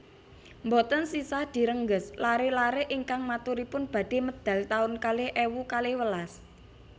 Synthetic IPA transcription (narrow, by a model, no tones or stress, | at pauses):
mbɔt̪ənsisahd̪̥i̤ɾəŋɡəslaɾelaɾeʔiŋkaŋmat̪uɾipʊnb̥a̤d̥e̤məd̪̥ä̤lt̪aʊnkaleʔewukalewəlas